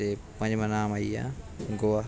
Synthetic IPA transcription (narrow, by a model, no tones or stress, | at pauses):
epɐ̃ɲd͡ʑmãnaːmaiã̰ː | ɡoːa